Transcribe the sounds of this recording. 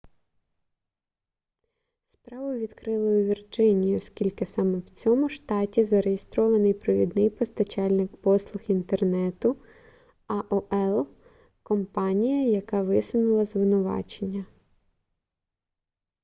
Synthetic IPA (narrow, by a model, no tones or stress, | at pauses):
spɾɑʋʊʋʲid̪kɾɪlˠɔjʊʋʲird͡ʒɪnʲijiɔskʲilʲkɪsɑmɛwt͡sʲɔmʊʃt̪ɑtʲizɐɾejest̪ɾɔʋɐnɪjpɾɔʋʲḭd̪nɪjpɔst̪ɐt͡ʃɑlʲnɪk̚pɔslˠʊxint̪ernɛt̪ʊ | ɐʔɔʔɛlˠ | kɔmpɑnʲijɐjɐkɑʋɪsʊnʊlˠɐzʋɪnʊʋɑ̰t͡ʃenʲːɐ